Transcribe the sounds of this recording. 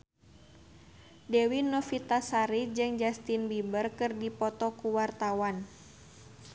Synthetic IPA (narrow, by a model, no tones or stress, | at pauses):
dɛwinɔfit̪asaɾid͡ʒɨŋd͡ʒast̪inbibərkɨrdipɔt̪ɔkuwart̪awan